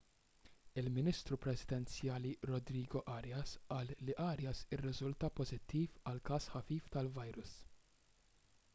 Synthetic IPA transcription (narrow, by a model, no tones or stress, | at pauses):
ɪlmɪnist̪ɾupɾɛzɪd̪ɛnt͡sjɐːliɾɔd̪ɾiːɡɔʔɐɾjɐsʔɐːlːiʔɐːɾjɐsɪrːɪzʊlt̪ɐpɔzɪt̪ːiːfɐlkɐːsħɐfiːft̪ɐlvɐjɾʊs